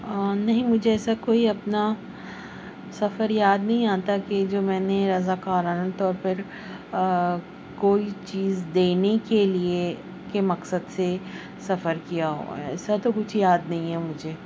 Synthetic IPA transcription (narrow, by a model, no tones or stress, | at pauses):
nɐɦĩmʊd͡ʒʱeɛːsakoːiɐpna | sɐfəɾjaːd̪nɐɦĩãːt̪aked͡ʒoːmɛ̃ːneɾɐzaːkaːɾaːnat̪ɔːɾpɐɾ | koːit͡ʃiːzd̪eːnekelie | kemɐksəd̪se | sɐfəɾkijaɦo̰ɛ̰ːsat̪okʊt͡ʃʰjaːd̪nɐɦĩɦɛmʊd͡ʒʱeː